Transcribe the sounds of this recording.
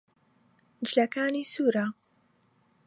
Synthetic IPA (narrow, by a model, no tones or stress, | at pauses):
d͡ʒlakaːnisuːɾa